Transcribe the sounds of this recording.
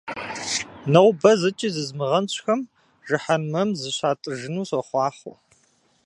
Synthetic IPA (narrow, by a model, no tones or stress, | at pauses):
nɐwbɐzɨt͡ʃʼizɨzmɨʁɐnɕʷʰʼxɐm | ʒɨħɐnmɐmzɨɕaːtʼɨʒɨnuːɕɐχʷɑːχʊ̰